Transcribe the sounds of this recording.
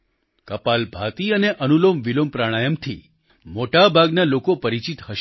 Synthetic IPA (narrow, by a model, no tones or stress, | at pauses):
kəpalbʱat̪iəneʔənulomʋilompɾaɽ̃ajəmt̪ʰi | moʈabʱaɡnalokopəɾit͡ʃit̪ɦəʃ